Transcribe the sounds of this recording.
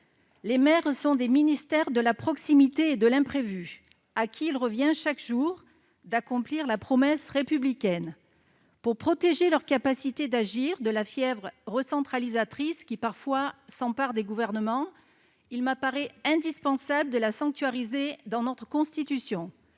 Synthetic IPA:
lemɛʁsɔ̃d̪eminist̪ɛʁd̪əlapχɔksimit̪eːd̪əlɛ̃pχevy | akʲʰiːlʁəvjɛ̃ʃakʒuʁ | d̪akɔ̃pliʁlapχɔmɛsʁepyblikʲɛn | puʁpχɔt̪eʒelœʁkapasit̪ed̪aʒiʁd̪əlafjɛvʁʁəsɑ̃t̪χalizat̪χiskʲipaʁfwasɑ̃paʁd̪eɡuvɛʁnəmɑ̃ | ilmapaʁɛɛ̃d̪ispɑ̃sabləd̪əlasɑ̃ŋk̚t̪ɥaʁized̪ɑ̃nɔt̪χəkɔ̃st̪it̪ysjɔ̃

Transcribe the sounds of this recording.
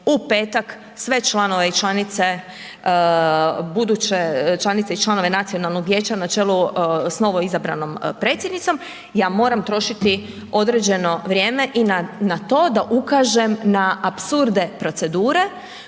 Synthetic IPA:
upe̞ːt̪ak | sʋe̞t͡ʃlˠano̞ʋeit͡ʃlanit̪se̞ | bud̪uːt͡ɕet͡ʃlˠanit̪seit͡ʃlˠano̞ʋe̞nat̪sio̞nalˠno̞ɡʋjeːt͡ɕanat͡ʃelˠusno̞ʋo̞izabɾa̰no̞mpɾe̞ːt̪sjed̪nit̪o̞m | jaːmo̞ːɾamt̪ɾo̞ʃit̪i | o̞d̪ɾe̞d͡ʑe̞no̞ʋɾʲje̞ːme̞ʔinanat̪o̞ːd̪aʔukaːʒe̞mnaapsuɾd̪e̞pɾo̞t̪se̞d̪uːɾe̞

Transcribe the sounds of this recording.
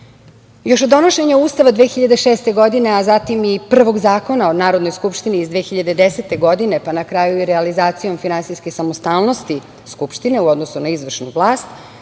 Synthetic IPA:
jo̞ʃod̪o̞noʃe̞ɲauːst̪aʋad̪ʋexiʎad̪eʃeːst̪e̞ɡo̞d̪ine̞azat̪imipr̩ʋo̞ɡzaːko̞naonaːɾo̞d̪no̞jskupʃt̪iniːzd̪ʋexiʎad̪e̞d̪eset̪e̞ɡo̞d̪ine̞panakɾajuiɾealizaːt̪sijo̞mfinansijskesamost̪aːlˠno̞st̪i | skupʃt̪ine̞uo̞d̪nosunaizʋr̩ʃnṵvlˠaːst̪

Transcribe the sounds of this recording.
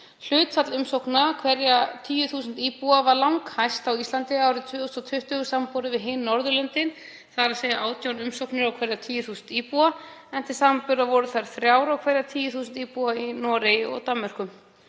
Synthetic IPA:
l̥ʏːt̪sat̪lʏmsowknakʰvɛɾjat̪ʰiːjʏθuːsʏnt̪iːpuavaɾlawŋkhajst̪awist̪lant̪ɪaːwɾɪt̪ʰvʏːɔst̪ɔt̪ʰʏht̪ʏɣʏsampɔwɾɪvɪðɦɪːnːɔɾðʏlœnt̪ɪn | θaɾaðseːjaʔaːwt̪ʰjawnʏmsowknɪɾawkʰvɛɾjat̪ʰiːjʏθuːsʏnt̪iːpuaɛn̥t̪ʰɪlsaːmapʏɾðavɔɾʏθaɾ̥θɾjaːwɾawkʰvɛɾjat̪ʰiːjʏθuːsʏnt̪iːpuainɔːɾejɔ̰ɣt̪amːɛr̥kʏm

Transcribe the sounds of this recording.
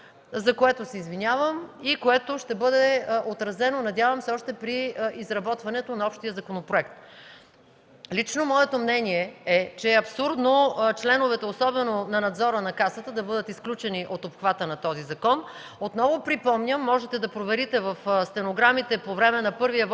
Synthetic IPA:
zɐkoɛt̪osɛizvinʲjavəmikoɛt̪oʃt̪ɛbɤd̪ɛot̪ɾɐzɛnonɐd̪ʲjavɐmsɛɔʃt̪ɛpɾiizɾɐbɔt̪vɐnɛt̪onɐɔpʃt̪ijəzɐkonopɾoɛkt̪ | lit͡ʃnomɔɛt̪omnɛniɛɛt͡ʃɛːɐpsuɾd̪not͡ʃlɛnovɛt̪ɛosɔbɛnonɐnɐd̪zɔɾənɐkasət̪əd̪ɐbɤd̪ət̪isklʲut͡ʃɛniʔot̪opxvat̪ənɐt̪ɔzizɐkɔn | ot̪nɔvopɾipɔmnʲəmːɔʒɛt̪ɛd̪ɐpɾovɛɾit̪ɛvɐfst̪ɛnoɡɾamit̪ɛpovɾɛmɛnɐpɤɾvijə

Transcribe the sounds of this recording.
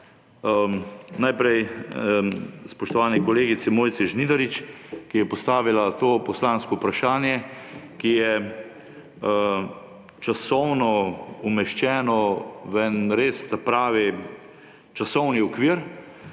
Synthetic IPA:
najpɾɛj | spɔʃt̪ɔʋaːnɛkɔleːɡit̪sɛmoːjt̪sɛʒnid̪ɐɾit͡ʃkijɛpɔst̪aːʋilat̪oːpɔslaːnskɔupɾaʃaːnjɛkijɛ | t͡ʃasɔwnɔumɛʃt͡ʃɛːnɔʋɛnɾeːst̪apɾaːʋi | t͡ʃasɔwniɔkʋiːɾ

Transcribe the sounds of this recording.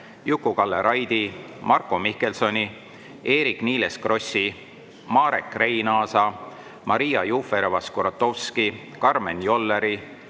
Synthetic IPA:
jukːˑukɑlːeɾɑjd̪̥i | mʔɑrkːo̞mike̞lso̞nʲi | e̞ːɾikniːleskro̞sʲi | mɑːɾe̞kːrejnɑːsɑ | mʔɑɾijɑjufe̞ɾvɑskoɾɑt̪ːo̞wski | kɑrme̞njo̞lːeɾi

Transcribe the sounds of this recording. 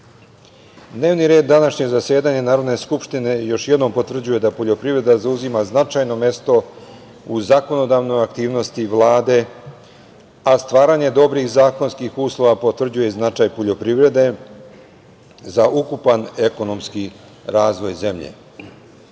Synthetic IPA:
d̪ne̞ːʋniɾe̞ːd̪ːanaʃɲe̞zasje̞ːd̪aɲenaːɾo̞d̪ne̞skupʃt̪ine̞jo̞ʃjed̪no̞mpo̞t̪ʋr̩d͡ʑuje̞d̪apo̞ʎo̞pɾiʋɾe̞d̪azauzimaznat͡ʃaːjno̞me̞st̪o̞ | uzako̞no̞d̪aʋno̞jakt̪iːʋno̞st̪iʋlˠaːd̪e̞ | ast̪ʋaːɾaɲe̞d̪o̞bɾixzaːko̞nskixuːslˠo̞ʋapo̞t̪ʋr̩d͡ʑujeznat͡ʃaːjpoʎo̞pɾiʋɾe̞d̪e̞ | zaʔukupaneko̞no̞mski | ɾaːzʋo̞jze̞mʎḛ

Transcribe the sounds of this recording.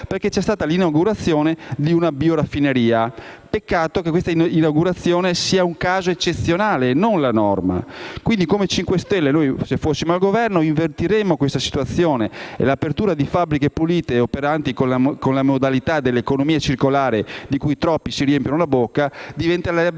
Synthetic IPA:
perket͡ʃːɛst̪aːt̪alinawɡuɾat̪sːjoːned̪iunabioɾafːineɾiːapekːaːt̪okekːwest̪ainawɡuɾat̪sːjoːnesiːauŋkaːzoet͡ʃːet̪sːjonaːlenonlanɔ̰rma̰kwind̪ikomet͡ʃiŋkwest̪ɛlːenojsefːosːimoalɡovɛrnoiɱvert̪iɾemokwest̪asi̥t̪uat̪sːjoːneḛlapert̪uːɾad̪ifabɾikepuliːt̪eopeɾant̪ikonlakonlamod̪alit̪ad̪elːekonomiːat͡ʃirkolaːɾed̪ikujt̪ɾɔpːisiɾiɛmpjonolabokːad̪ivɛnt̪ala

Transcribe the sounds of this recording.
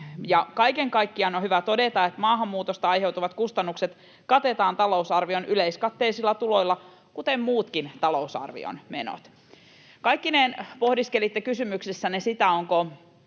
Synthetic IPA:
jɑkɑjkeŋkɑjkːiɑnohyʋæt̪o̞det̪ɑet̪mɑːɦɑmːuːt̪ost̪ɑɑjɦe̞wt̪uʋɑt̪kust̪ɑnːukset̪ | kɑt̪et̪ɑːnt̪ɑlo̞usɑrʋionyleiskɑt̪ːeisilːɑt̪ulo̞ilːɑ | kut̪emmuːt̪kint̪ɑlo̞usɑ̰rʋḭo̰nmeno̰t̪ | kɑjkːinenpohdiskelit̪ːekysymyksesːænesit̪æoŋko

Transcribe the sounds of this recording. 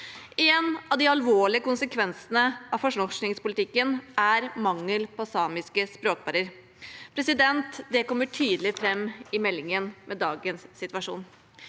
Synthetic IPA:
ɛnɑʋd̪iɑlʋoːɭɪəkʊnsəkʰʋɛnsənəɑfɔʂnɔʂknɪŋspʊlɪt̪ʰɪkːənæɾmɑŋːəlpʰɔsɑːmɪskəspɾoːk̚pʰɑɾəɾ | pʰɾɛsɪd̪ɛnt̪d̪ɛkɔmːəʈʰyːd̪l̩ɪfɾɛmːɪmɛlːɪŋənmʔɛd̪ɑːɡənsːɪt̪ʋɑʂṵːn

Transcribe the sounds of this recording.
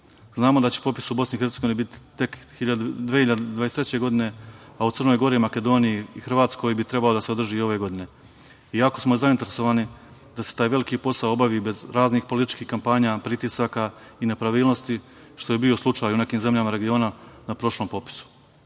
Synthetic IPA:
znaːmo̞d̪at͡ɕepopi̥subo̞snixe̞ɾt̪seɡoinibit̪i̥t̪ːe̞kxiʎad̪d̪ʋehiʎad̪d̪ʋajet̪ɾet͡ɕe̞ɡo̞d̪ine̞aut̪sɨr̩nojɡo̞ɾimake̞d̪o̞ːnijiːxr̩ʋaːt̪sko̞jibit̪ɾe̞baod̪aseo̞d̪r̩ʒiːo̞ʋe̞ɡo̞d̪ine̞ | iako̞smo̞zaint̪eɾeso̞ʋaːni | d̪ase̞t̪aːjʋe̞likiːpo̞saoo̞baʋiːbe̞zɾaːznixpo̞lit̪it͡ʃkiːxkampaːɲaːpɾit̪isaka | ine̞pɾaʋiːlˠno̞st̪i | ʃt̪o̞je̞bioslˠut͡ʂaːjune̞kiːmze̞mʎamaɾe̞ɡio̞ːnanapɾo̞ʃlˠo̞ːmpo̞pi̥su̥

